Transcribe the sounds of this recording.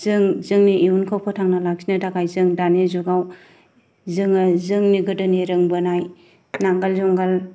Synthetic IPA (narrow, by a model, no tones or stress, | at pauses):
zɯŋzɯŋniʔiunkʰawpʰɔtʰaŋnɐlak̚sinɐdakʰajzɯŋdanezuɡaw | zɯŋazɯŋniɡɯdɯniɾɯŋbɯnaj | naŋɡalzuŋɡal